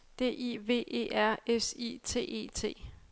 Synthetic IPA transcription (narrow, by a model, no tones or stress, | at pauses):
d̥e̝̰ːʔiʋe̝̰ːʔe̝̰ːæɐ̰esḭt͡sʰe̝̰ːe̝̰ːt͡sʰe̝̰ː